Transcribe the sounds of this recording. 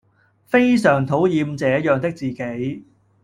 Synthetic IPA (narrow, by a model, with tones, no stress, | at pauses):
fe˥jsœː˨˩ŋt̪ʰo˨˥wjiː˨˧mt͡sɛː˨˥jœː˨ŋt̪ɪ˥k̚t͡siː˨˩ke˨˥j